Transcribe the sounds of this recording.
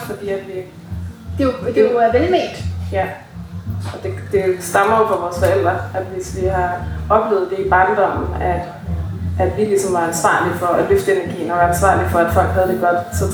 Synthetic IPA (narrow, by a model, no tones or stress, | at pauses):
fɒd̥ḭːæd̥ʋi | d̥ed̥eʋelmḛnd̥jæ | ɒ̽d̥e̝d̥e̝sd̥ɑ̈mɐjo̝fɒ̽ʋɒːsfɒ̽el̰d̥ʁɐʔæd̥ʋe̝sʋihɑ̈ɒ̽b̥le̝̰ːð̩ˠd̥e̝ib̥ɑ̈ːnd̥ɒm̰n̩æd̥ | ʔæd̥ʋilisɒ̽mʋɑ̈ænsʋɑ̰̈ːlifɒ̽æløfd̥əenæɐɡ̥ḭːnɒʋæænsʋɑ̰̈ːlifɒ̽æd̥fɒ̽l̰ɡ̥hæð̞ˠd̥e̝ɡ̥ɒ̽d̥sɒ̽